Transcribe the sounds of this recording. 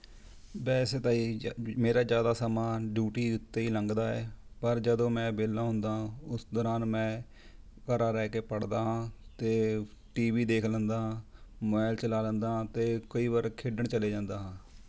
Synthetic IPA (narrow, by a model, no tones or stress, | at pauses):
bɛːseːt̪aːiːmeːɾaːzjaːd̪aːsəmaːɖjuːʈiːʊt̪ːeːiːləŋɡd̪aːɛːpəɾd͡ʒəd̪õːmɛ̃ːbeːlːãːɦʊ̃nd̪aːɦãːʊsd̪ɔːɾaːnmɛ̃ː | kəɾaːɾɛːkeːpəɽd̪aːɦãːt̪eː | ʈiːʋiːd̪eːkʰlə̃nd̪aːɦãːmaːɪlt͡ʃəlaːlə̃nd̪aːɦãːt̪eːkəiːʋəɾkʰeɖəɳt͡ʃəleːd͡ʒãːnd̪aːɦãː